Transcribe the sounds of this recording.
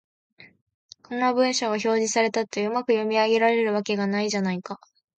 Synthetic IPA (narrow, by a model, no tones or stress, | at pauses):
kõnːabɯ̟̃ɰ̃ɕaɡaço̞ːʑisaɾe̞t̪at̪ːe̞ɯ̟makɯ̟jo̞mʲiaɡe̞ɾaɾe̞ɾɯ̟β̞ake̞ɡanaiʑanaika